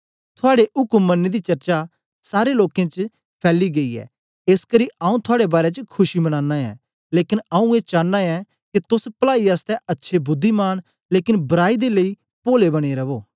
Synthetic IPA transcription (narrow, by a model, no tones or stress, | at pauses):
t̪ʰʊaːɽeʔʊkʊmːɐnːid̪it͡ʃɐɾt͡ʃa | saːɾeloːkẽt͡ʃ | pʰɛːliɡɐiɛ̰ː | eskɐɾiʔaːũt̪ʰʊaːɽebaːɾet͡ʃəkʰʊʃimɐñaːnːaɛ̰ː | leːkɪnɐũeːt͡ʃaːnːaɛ | kit̪ʊspɐlaːiaːst̪ɛʔɐtːʃʰebʊd̪ʱːimaːñ | leːkɪnbɐɾaːid̪eləi | poːlebɐɽ̃eɾɐʋoː